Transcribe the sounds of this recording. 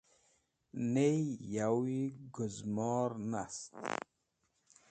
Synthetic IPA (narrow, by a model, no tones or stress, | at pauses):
nejjawiɡʊzmɔːɾnast̪